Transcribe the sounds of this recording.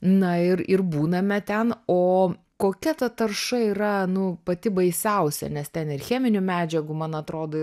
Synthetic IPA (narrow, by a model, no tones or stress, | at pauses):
nɐɪɾɪrbuːnɐmʲɛt̪ʲɛnoː | koːkʲɛt̪ɐt̪ɐrʃɐiːɾɐnʊpɐt̪ʲɪbɐɪsʲɛʊsʲɛ̰nʲɛst̪ʲɛnɪrxʲæːmʲɪnʲʊmʲæːd͡ʒʲɛɡʊmɐnɐt̪ɾoːd̪oː